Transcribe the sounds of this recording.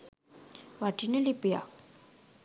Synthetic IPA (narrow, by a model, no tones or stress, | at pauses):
waʈinelipija̰